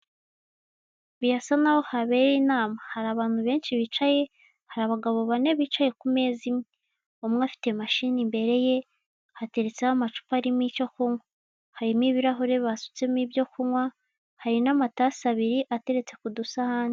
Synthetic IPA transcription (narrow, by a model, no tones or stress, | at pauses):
βijasanaho̞haβe̞ɾiːnaːmahaɾaβaːn̥huβe̞ːnʃiβit͡ʃaje̞ | haɾaβaɡaβoβane̞βiːt͡ʃaje̞kume̞ːzimŋe | omŋafi̥te̞maʃiːnimbe̞ɾe̞je̞ | hate̞ɾet͡sehamat͡ʃu̥paɾimico̞kuŋwa | haɾimiβiɾaɦuɾe̞βasu̥t͡semiβjo̞kuŋwa | haɾinamatasaβiɾiʔate̞ɾe̞t͡se̞kudusahaːndi